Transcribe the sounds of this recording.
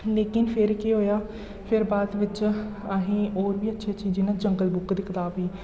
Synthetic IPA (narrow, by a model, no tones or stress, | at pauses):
leːkɪnpʰɪɾkeɦoːjaː | pʰɪɾbaːd̪ʋɪt͡ʃaɦẽːoːɾbiːətːʃʰeːt͡ʃiːd͡ʒiːnãːt͡ʃəŋɡəlbʊkd̪ɪːkʰd̪aːbiː